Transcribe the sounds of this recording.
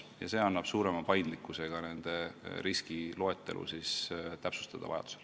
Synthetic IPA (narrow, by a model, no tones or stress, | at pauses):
jɑ̰se̞ːɑnːɑb̥suːɾe̞mɑpɑjnd̪̥likːˑuse̞ɡ̥ɑne̞nd̪̥e̞riskilo̞e̞t̪ːˑe̞̰lʔṵsist̪æpsu̥st̪ɑd̪̥ɑ̰vɑ̰jɑ̰d̪̥u̥sel